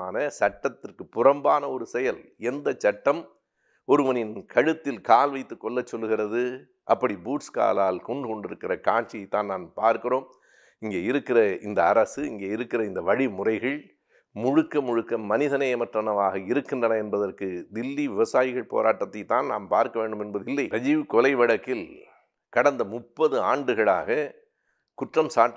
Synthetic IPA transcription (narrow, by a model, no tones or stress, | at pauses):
aːnɐsɐʈːɐt̪ːɪrkɯpːʊrɐmbaːnɐɔɾɯsɛjɐlɛnd̪ɐt͡ʃːɐʈːɐm | ɔɾɯʋɐnɪnkʰɐɻɯt̪ːɪlkaːlʋɐɪt̪ːɯkːɔɭːɐt͡ʃːɔlːɯɣɪrɐðɯ | ʔɐpːɐɽibuːʈska̰ːlaːlkɔɳɖɯkɔɳɖɪɾɯkːɪrɐkaːnt͡ʃijɐɪt̪ːaːnnaːnpaːɾkɪroːm | ɪŋɡeːɪɾɯkːɪrɐɪnd̪ɐːɾɐsɯɪŋɡeːɪɾɯkːɪrɐɪnd̪ɐʋɐɻimʊrɐɪɣɐɭ | mʊɻʊkːɐmʊɻʊkːɐmːɐnɪðɐnɐɪɛmɐʈrɐnɐʋaːɣɐɪɾɯkːɪndrɐnɐɛnbɐðɐrkɯd̪ɪlːiʋɪʋɐsaːjɪɣɐɭpo̰ːɾaːʈːɐt̪ːɐɪt̪ːaːnnaːmpaːɾkɐʋeːɳɖɯmɛnbɐðɯɪlːɐɪɐd͡ʒiʋɯkɔlɐɪʋɐɽɐkːɪl | kɐɽɐnd̪ɐmʊpːɐðɯaːɳɖɯɣɐɭaːɣɐ | kʊʈrɐmsaːʈː